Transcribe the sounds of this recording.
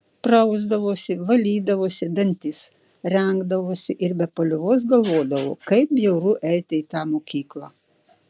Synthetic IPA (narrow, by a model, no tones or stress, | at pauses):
pɾɐʊzd̪ɐʋoːsʲɪʋɐlʲiːd̪ɐʋoːsʲɪd̪ɐnʲt̪ʲɪs | ɾʲɛŋɡd̪ɐʋoːsʲɪʔɪɾbʲɛpɐlʲʊʋoːs̬ɡɐlˠʋoːd̪ɐʋo̰ːkɐɪp̚bʲjɛʊɾuːʔɛɪt̪ʲɪit̪ɑːmoːkʲiːklˠɑː